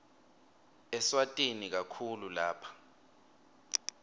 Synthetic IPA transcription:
ɛswatʼenik̬akʰululaːpʰḁ

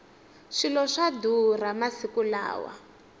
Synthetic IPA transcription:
ʂilɔʂaduramasikula̰ːwa̰

